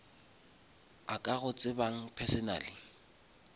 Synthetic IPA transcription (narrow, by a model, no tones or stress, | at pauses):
akʼaɣʊt͡sʼɪbaŋ̩pʰɛsɪna̰ːlɪ